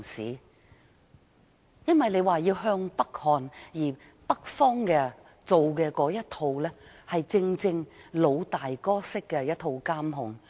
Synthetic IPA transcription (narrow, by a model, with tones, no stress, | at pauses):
sḭː˨˥ | jɐ˥nwɐ˨jle˨˧jwaː˨jiː˧wɦœː˧ŋpɐ˥k̚hɔː˨njiː˨˩ | pɐ˥k̚fɔː˥ŋkɛː˧ | t͡so˨wkɛː˧kɔː˨˥jɐ˥t̚t̪ʰo˧wlɛː˥ | hɐ˨jt͡sɪ˧ŋt͡sɪ˧ŋlo˨˧wt̪aː˨jkɔː˥sɪ˥kːɛː˧jɐ˥t̚t̪ʰo˧wkaː˥mɦʊ˨˩ŋ